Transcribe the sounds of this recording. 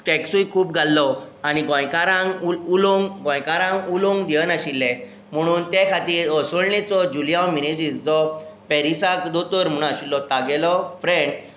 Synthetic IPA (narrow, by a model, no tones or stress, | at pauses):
ʈɛksujkʰuːp̚ɡʱalːɔ | añiɡɔ̃jkaɾãŋuloŋɡɡɔ̃jkaɾãŋɡuloŋɡd̪iənaɕilːɛ | m̤əɽ̃uːnt̪ekʰat̪iːɾɔsɔɭnet͡sɔd͡ʑuljawmined͡ʑisd͡zɔpɛɾisakd̪ot̪əɾm̤əɽ̃aɕilːɔt̪aɡɛlɔfɾeɳɖ